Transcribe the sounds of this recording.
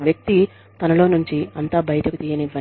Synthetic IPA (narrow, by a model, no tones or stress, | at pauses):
ʋjɐk̚t̪i | t̪ɐnɐlo̞ːnuɲt͡ʃiɐnt̪aːbɐjɐʈ̪ɐkut̪iːjɐniʋːɐ